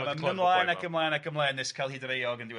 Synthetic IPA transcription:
anənlˠajnakɡʰəmlˠaːjnakʰəmlˠajnðɪskʰalˠhidɾejɔɡəndiw

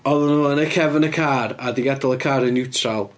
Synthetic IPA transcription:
ɔðʊnoːənəkʰɛvənəkʰaːɾadiɡadɔlˠəkʰaːɾənɪwtʰralˠ

